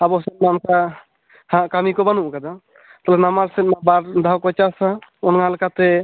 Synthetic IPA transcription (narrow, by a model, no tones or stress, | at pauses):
abɔsɛt̪̚manka | hãkamikɔbanuʔkad̪a | t̪ɔlnamaɾsɛt̪̚mabaɾd̪ʱawkɔt͡ʃasaɔnŋalkat̪e